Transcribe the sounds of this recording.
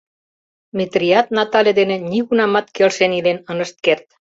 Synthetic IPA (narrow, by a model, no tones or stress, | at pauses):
met̪rʲiɑt̪̚nɑt̪ɑlʲed̪enĕniɣunɑmɑt̪kelʃenilenənəʃt̪̚kert̪̚